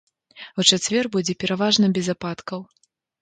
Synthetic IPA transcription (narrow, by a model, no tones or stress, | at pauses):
ut͡ʂat͡sʲvʲɛrbud͡zʲɛpʲɛɾavaʐnɐbʲɛzapat̪kɐw